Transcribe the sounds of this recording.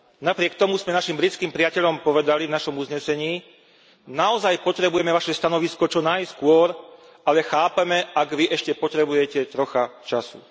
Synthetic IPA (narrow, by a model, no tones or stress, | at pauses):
napɾɪɛkt̪ɔmuzmɛnaʃimbɾit͡skiːmpɾiacɛʎɔmpɔʋɛd̪alivnaʃɔmuzɲɛsɛɲiː | naɔzajpɔt̪ɾɛbujɛmɛʋaʃɛst̪anɔʋiskɔt͡ʃɔnajskʊɔɾ | alɛxaːpɛmɛaɡʋiʔɛʃcɛpɔt̪ɾɛbujɛcɛt̪ɾɔxat͡ʃasṵ